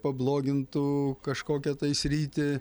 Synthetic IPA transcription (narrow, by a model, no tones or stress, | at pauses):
pɐblˠoːɡʲɪnt̪ʊkɐʃkoːkʲɛt̪ɐɪsʲɾʲiːt̪ʲɪ